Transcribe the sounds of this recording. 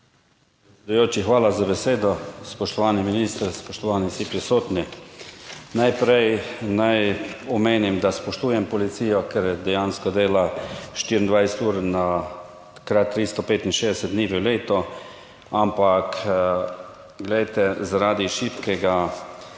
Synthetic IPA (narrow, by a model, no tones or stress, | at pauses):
p | ɾɛtsʲɛd̪ujoːt͡ʃixʋaːlazabɛseːd̪ɔspɔʃt̪ɔʋaːniminiːst̪ɾspɔʃt̪ɔʋaːnisipɾisoːt̪ni | najpɾɛjnajɔmeːnimd̪aspɔʃt̪uːjɛmpɔlit̪siːjɔkɛɾjɛd̪ɛjanskɔd̪eːlaʃt̪iɾind̪ʋajsɛt̪uːɾna | kɾat̪ːɾiːst̪ɔpeːt̪inʃeːd̪ɛsɛd̪d̪niːʋɛwleːt̪ɔ | ampak | ɡlɛjt̪ɛzaɾaːd̪iʃipkɛɡa